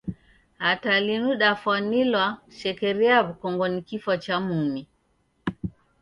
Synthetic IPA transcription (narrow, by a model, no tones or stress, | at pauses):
hatalinuɗafanilwaʃɛkɛɾɛaβukɔŋɡɔnikifɔt͡ʃamumi